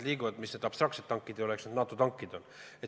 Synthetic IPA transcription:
liːkuvɑd̪misned̪ɑpst̪rɑk̪set̪ːɑŋkːˑid̪̥eoeksned̪nɑːt̪ːˑut̪ɑŋkːˑid̪̥on | e

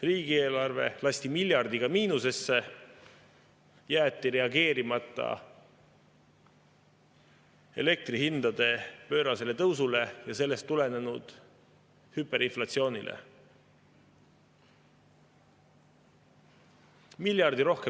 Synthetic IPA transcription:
riːɡie̞ːlɑrve̞̰lɑsʲt̪imilʲjɑrd̪iɡ̥ɑmiːnuse̞sːe̞ | jæːt̪ːiɾe̞ɑɡe̞ːɾimɑt̪ˑːɑ̰ | e̞̰le̞k̚t̪riɦhind̪̥ɑd̪̥e̞pø̞ːɾɑse̞le̞t̪ɤwsule̞jɑse̞lːe̞st̪ːule̞ne̞nud̪̥ | hybe̞ɾinflɑt̪sio̞ːnʲilʔḛ | milʲjɑrd̪̥iɾo̞hke

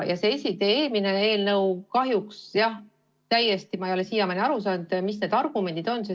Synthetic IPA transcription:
jɑseesʲid̪e̞ːeːlmine̞e̞ːlnɤwkɑɦjuksjɑh | t̪æjːest̪imɑejo̞le̞siːjɑmeneɑɾusɑːnd̪̥misne̞d̪̥ɑrɡ̥ume̞nd̪id̪̥o̞nse

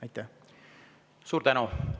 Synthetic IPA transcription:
ɑjt̪ːæh | suːɾd̪ænu

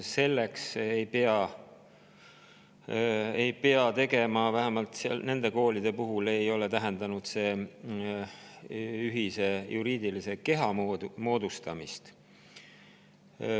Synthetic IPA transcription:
se̞lːeksejpeɑ | ejpe̞ɑt̪e̞ɡe̞mɑvæɦemɑlt̪sene̞nd̪e̞ko̞ːlid̪̥e̞puɦule̞jo̞let̪æɦe̞nd̪̥ɑnud̪̥se̞ː | yɦise̞juɾiːd̪̥iliseke̞ɦɑmod̪mo̞ːd̪̥ust̪ɑmist̪

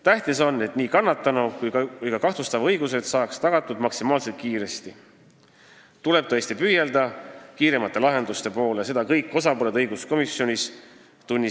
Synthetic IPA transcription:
t̪æht̪iso̞nːe̞t̪niːkɑnːɑt̪ːˑɑnukujkujkɑkɑht̪ust̪ɑvɤjɡuse̞d̪̥sɑːkst̪ɑɡ̥ɑt̪ˑːud̪mɑksimɑːlse̞lt̪̚kiːɾe̞st̪i | t̪ule̞b̥̚t̪oesʲt̪ipyjeld̪̥ɑkiːɾe̞mɑt̪ːˑe̞lɑɦe̞nd̪̥ust̪e̞po̞ːlese̞d̪̥ɑkɤjkːˑo̞sɑpoleɤjɡ̥usko̞misjo̞nʲis | t̪unʲːi

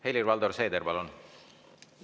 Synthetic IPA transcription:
helirvɑld̪oɾsejd̪eɾbɑlon

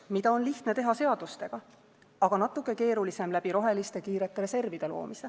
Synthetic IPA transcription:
mid̪ɑo̞nliht̪net̪e̞ɦɑse̞ɑd̪̥ust̪e̞ɡ̥ɑ | ɑɡ̥ɑnɑt̪ːˑukːˑe̞ke̞ːɾulise̞mlæb̥iɾo̞ɦe̞list̪e̞kiːɾe̞t̪ːˑeɾe̞se̞rvid̪̥e̞lo̞̰ːmise

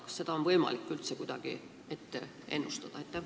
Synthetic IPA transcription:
kɑ̥sse̞d̪̥ɑonvɤjmɑ̰likːylt̪sekud̪̥ɑɡ̥ḭ | e̞t̪ːe | ʔe̞nːust̪ɑd̪̥ɑet̪ːæ

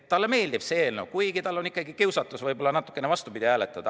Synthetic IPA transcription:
tt̪ːɑlːeme̞ːld̪ib̥se̞ːlnokujɡ̥it̪ɑlːo̞nikːˑɑɡ̥ikiwsɑt̪ːˑusvɤjb̥o̞lːɑnɑt̪ːˑu̥kːˑenevɑst̪upid̪̥ʲihæːlet̪ːˑɑd̪̥ɑ

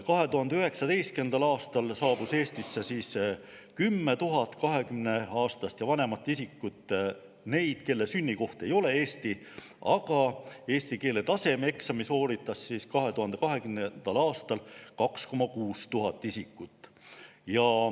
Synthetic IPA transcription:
kɑɦe̞t̪uhɦɑnd̪eyɦe̞ksɑd̪e̞jst̪ke̞nd̪ɑlɑːst̪ɑlsɑːb̥use̞ːst̪isːesiːs | kymːet̪uɦɑt̪ːˑkɑɦe̞kymne̞ɑːst̪ɑst̪jɑvɑne̞mɑt̪ːˑisikːut̪ːˑ | ne̞jd̪̥ke̞lːesynʲːiko̞ht̪e̞jo̞le̞e̞ːst̪i | ɑɡ̥ɑe̞ːst̪ike̞ːle̞t̪ɑse̞me̞ksɑmiso̞ːɾit̪ːˑɑsːiskɑɦe̞t̪uɦɑnd̪̥e̞kɑɦe̞kymnend̪̥ɑlɑːst̪ɑlkɑksko̞mɑkuːst̪uɦɑt̪ːˑisikːˑut̪ːˑjɑ

